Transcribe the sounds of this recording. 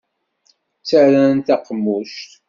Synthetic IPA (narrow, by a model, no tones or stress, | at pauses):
t͡sːæɾænt̪æqəmːuʃt̪